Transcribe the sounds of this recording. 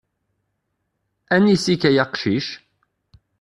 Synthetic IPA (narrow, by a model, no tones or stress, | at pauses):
ænisikæjɑqʃiʃ